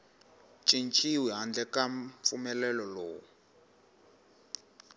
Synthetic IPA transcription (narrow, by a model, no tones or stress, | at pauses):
t͡ʃʼint͡ʃʼiwiɦand͡ɮɛkaɱfumɛlɛlɔloːwu